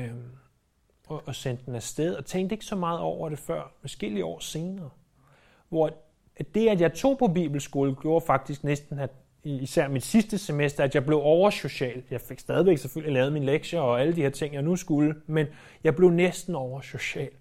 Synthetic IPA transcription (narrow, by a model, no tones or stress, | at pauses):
ɒʔɒsen̰d̥enæsd̥eð̞ˠɒ̽t͡sʰeŋ̰ɡ̥̚d̥e̝ɡ̥ə̥sɒ̽mɑ̈ːð̞̩ˠɒʊ̰ɐɾ̥e̝fɶɐ̰ʋæsɡ̥e̝liəɒ̰ːse̝ːnɐː | ʋɒ | æd̥e̝ædjɑ̈ɪt͡sʰo̝̰ːpʰɒ̽bḭːb̥l̩sɡ̥o̝ːləɡ̥jo̝̰ːɐfɑ̈ɡ̥̚d̥isɡ̥nesd̥n̩æd̥ | iːsæɐ̰mid̥sisd̥əsemesd̥ɐæd̥jɑ̈ɪb̥le̝ʊɒʊɐɕo̝ɕɛ̰ːljɑ̈ɪfe̝ɡ̥sd̥ɛːðˠiʋeɡ̥seføl̰ilɛːʊð̞̩ˠminleɡ̥ɕɐɒ̽æləd̥iheɐ̰t͡sʰe̝ŋ̰jɑ̈ɪnusɡ̥uləmen | jɑ̈ɪb̥le̝ʊnesd̥n̩ɒʊɐɕo̝ɕɛ̰ːl